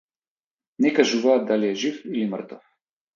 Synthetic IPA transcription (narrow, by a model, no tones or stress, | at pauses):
nɛkaʒuvaːt̪̚d̪aliɛʒifilimrt̪ɔf